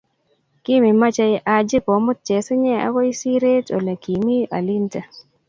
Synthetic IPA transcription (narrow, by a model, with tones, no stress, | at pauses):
kɪ˦mɪ˨ma˦t͡ʃa˧jɪ˦ʔa˨d͡ʒɪ˦pɔ˨˦mʊ˦t̚t͡ʃɛ˨sɪ˦ɲɛ˦a̰˦kɔ˦i˦si˦ɾe˦to̰˨la˨ki˨mi˦ʔa̰˨li˦nta˨